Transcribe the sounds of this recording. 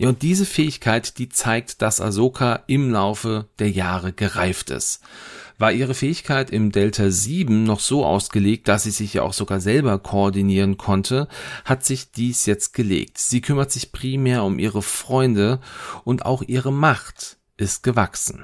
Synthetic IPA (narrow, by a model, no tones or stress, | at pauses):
jaːʊnt̚d̥iːzəfɛːɪçkʰaɪtd̥iːt͡saɪk̚td̥asa̰zoːkʰaʔɪmlaʊfəd̥eːɐjaːʁ̞əɡəʁaɪftɪ̰stvaːʔiːʁ̞əfɛːɪçkʰaɪtɪmdɛltʰaziːbm̩nɔχz̥oːʔa̰ʊsɡ̥əleːk̚t̚d̥asz̥iːzɪçja̰ːʔa̰ʊxz̥oɡaːzɛlbɐkʰoɔɐdiniːʁ̞ənkʰɔntʰəhatz̥ɪçd̥iːsjɛt͡st̚ɡ̥əlḛːk̚tz̥iːkʰʏmɐtz̥ɪçpʁ̥iːmɛːɐʊmʔiːʁəfʁ̥ɔʏndəʔʊnta̰ʊxʔiːʁəmaχt | ʔɪst̚ɡ̥əvaksn̩